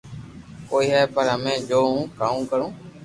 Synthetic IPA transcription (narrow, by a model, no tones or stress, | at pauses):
koːiːɦaːepəɾəmẽːd͡ʒoːɦũːkaːũːkəɾũː